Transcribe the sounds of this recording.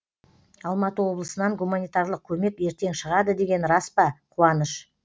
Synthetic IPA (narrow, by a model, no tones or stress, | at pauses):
ɑlˠmɑt̪əwo̞blˠəsənɑɴɡumanijt̪ɑɾlˠəq̚kʲʰɵme̞kʲe̞ɾt̪e̞ŋʃəʁɑd̪əd̪e̞ɡʲe̞nɾɑspɑqʰuɑnəʃ